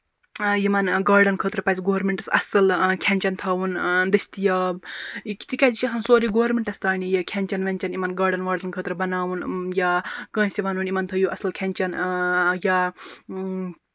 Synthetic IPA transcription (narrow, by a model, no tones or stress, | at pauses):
jimɐnɡaːɾɖɐnkʰəːt̪ɾɐpɐt͡sʲɡoːɐɾmeɳʈɐsɐ̰sɐlkʰɛnʲt͡ʃɐnt̪ʰaːwund̪ɐsʲt̪ijɐ | ki̥t̪ikʲad͡ʒit͡ʃɐsɐnsoːɾiɡoːɾmeɳʈɐst̪aːnijekʲʰɛnt͡ʃɐnʋɐnʲt͡ʃɐnimɐnɡaːɾɖɐnɡɐːɾɖɐnkʰəːt̪ɾɐbɐnaːwunjakə̃ːsʲiʋaːnunʲimɐnt̪ʰɐjuʔɐsɐlkʲʰɐnʲt͡ʃɐnja